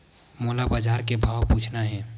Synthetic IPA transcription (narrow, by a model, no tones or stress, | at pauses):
moːlabad͡ʒaːɾkebʱaːwpuːt͡ʃʰnaɦɛ̃ː